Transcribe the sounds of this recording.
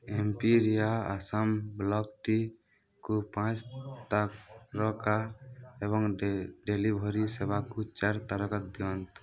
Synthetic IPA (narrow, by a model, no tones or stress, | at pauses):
empiɾijaasəmblɔk̚ʈi | kupãt͡ʃt̪akɾɔkaeβɔŋɖelibʱɔɾisebʱakut͡ʃaɾt̪aɾəkət̪̚d̪iɔnt̪